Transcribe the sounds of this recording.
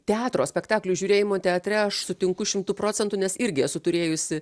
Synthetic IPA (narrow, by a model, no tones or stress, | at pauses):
t̪ʲɛɑːt̪ɾoːsʲpʲɛkt̪ɑːklʲuʒʲuːɾʲeːjɪmoːt̪ʲɛɐt̪ʲɾʲɛɐʃsʊt̪ʲɪŋkʊʃʲɪmt̪ʊpɾoːt͡sʲɛnt̪ʊːnʲɛsɪɾʲɡʲɪɛsʊt̪ʊɾʲeːjʊsʲɪ